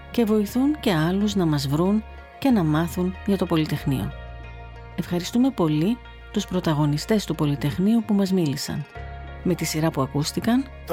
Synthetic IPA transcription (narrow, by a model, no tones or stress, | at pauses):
ce̞vo̞iθunce̞ɐluznɐmɐzvɾun | ce̞nɐmɐθunʝɐt̪o̞po̞lit̪e̞xnḭo̰ | e̞fxɐɾist̪ume̞po̞li | t̪uspɾo̞t̪ɐɣo̞nist̪e̞st̪upo̞lit̪e̞xniupumɐzmilisɐ̰nme̞t̪isiɾɐpuɐkust̪ikɐn